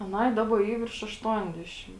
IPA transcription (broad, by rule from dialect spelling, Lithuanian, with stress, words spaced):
ɐˈnɐɪ ˈdɑːbɐ ˈiː ʋʲɪrʃ ɐʃˈtuɔnʲdʲɛʃʲɪm